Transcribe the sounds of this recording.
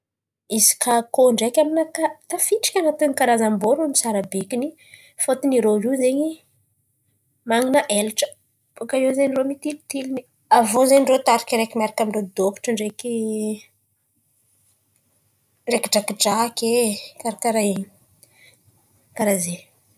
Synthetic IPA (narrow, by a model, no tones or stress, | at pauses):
izi̥kʰakoɳɖ͡ʐekʲaminakat̪afiʈ͡ʂi̥kʲanat̪ənikaɾazamboɾuamisaɾabekini | fot̪iniɾoɦizeɲi | maŋinəʔelʈ͡ʂə̥ | bokaewzenromit̪ilt̪ilini | avozeɲɳɖ͡ʐot̪aɾikiɾekʲimaɾakamiɳɖ͡ʐod̪oku̥ʈ͡ʂəɳɖ͡ʐeki | ɖ͡ʐekɖ͡ʐakiɖ͡ʐakekaɾakaɾa | kaɾaze